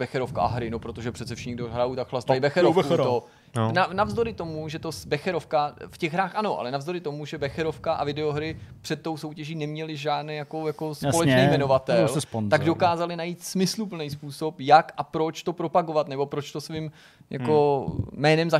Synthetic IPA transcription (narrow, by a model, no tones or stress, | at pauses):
bɛxɛɾofkaʔa̰ɦɾɪnopɾot̪o̞ʒɛpr̝̥ɛt̪t͡sɛfʃɛɲɡdoɦɾajut̪akxlast̪ajɪbɛxɛɾɾofut̪o | nanavzd̪oɾɪt̪o̞muʒɛt̪o̞sbɛxɛɾofkafcɛɣɦɾaːxʔano̞ʔa̰lɛnavzdoɾɪt̪o̞muʒɛbɛxɛɾo̞fkaʔa̰vɪdɛoɦɾɪpr̝̥ɛt̪̚ːo̞wso̞wcɛʒiːnɛmɲɛlɪʒaːdnɛːjako̞jako̞spolɛt͡ʃnɛjmɛno̞vat̪ɛlspt̪aɡdo̞kaːzalɪnajiːt̪smɪslupl̩nɛjs̬puːso̞pjakʔapɾo̞t͡ʃt̪o̞pɾo̞paɡovat̪nɛbo̞pɾo̞t͡ʃt̪o̞svim | ja̰ko̞ːɛːnɛmza